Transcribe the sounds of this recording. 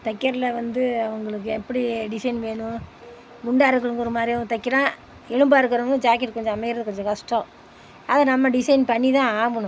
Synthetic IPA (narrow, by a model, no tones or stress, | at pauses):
t̪ɐkːɐɾlɐʋɐnd̪ɯɐʋɐŋɡɐɭɯk̬ːɯɛpːɐɽiɖɪsɐɪnʋeːɳʊ̃ | mʊɳɖaːɾɐkːɐɭɯŋɡɔɾɯmaːd̪ɾijʊ̃t̪ɐkːɪɾãː | ɛɻɯmbaːɪɾɯkːɯɾoːŋɡɐd͡ʒaːkɛʈkɔɲd͡ʒɔ̃ɐmɐkɪɾɐðɯkɔɲd͡ʒɔ̃kɐʂʈɔ̃ | ɐðɐnɐmːɐɖɪsɐɪnpɐɳːit̪ãːaːʋɐɳʊ̃